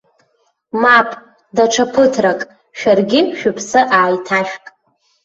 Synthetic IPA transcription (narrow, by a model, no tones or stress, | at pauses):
mapʰʼ | daʈ͡ʂʰapʰɨtʰrakʼ | ʃᶣarɡʲɪʃᶣʊpʰsɨʔaːjtʰaʃkʼ